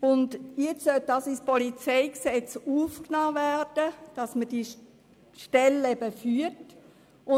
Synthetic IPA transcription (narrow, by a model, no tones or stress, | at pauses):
ʊndjɛt͡ssœt̚dɑsispɔlit͡sɛɪksɛt͡suːfknaːværd̥əd̥ɑsməd̥i | ʃtɛlɛbəfyːt | ʊ